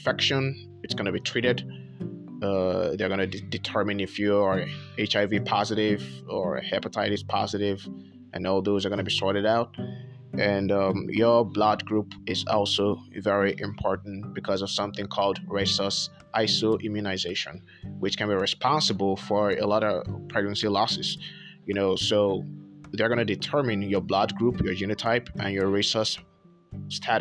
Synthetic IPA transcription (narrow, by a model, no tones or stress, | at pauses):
fɛkʃə̃n | ɨtsɡ̥ʌnɨbitʰɹ̥iɾɪd | ʌðə˞ɡʌ̃nɨdɨtʰɜ˞mɨ̃nɪfjuə˞eɪt͡ʃaɪvipʰɑzɨɾɪvə˞hɛpətʰaɪɾɨz̥pʰɑ̰zɨɾɪv | ʔɨ̰̃nɔlˠðoʊzə˞ɡʌnɨbisɔɹɾɨɾaʊt̚ | ʔɨ̃nʌ̃mjə˞blad̚ɡɹupɪzɔ̰lˠsovɛɹiʔɪ̃mpʰɔɹʔn̩b̥ɨkʰʌzʌv̥sʌ̃mθɪ̃ŋkʰɔlˠdɹeɪsəs | ʔaɪsoʔɪ̃mjunaɪzeɪʃɨ̰̃n | wɨt͡ʃkɨ̃nbiɹɨspʰɑ̃nsəbəl̩ˠfə˞ə̰lɔɾəpʰɹ̥ɛɡ̚nɨ̃nsilɔsɨz̥jɨnoʊsoʊðə˞ɡʌ̃nɨdɨtʰɜ˞mɪ̃njə˞blad̚ɡɹupʰjə˞d͡ʒĩnɨtʰaɪpɨ̃njə˞ɹeɪsəs | tʰæɾ